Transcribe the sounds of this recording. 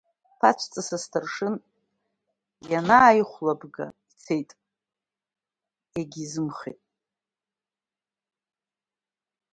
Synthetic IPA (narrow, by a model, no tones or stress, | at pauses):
pʰat͡ʃʷʰt͡sʼasastʰɨrʂɨn | janaːjχʷlabɡa̰it͡sʰejtʼ | eɡʲizɨmχḛtʼ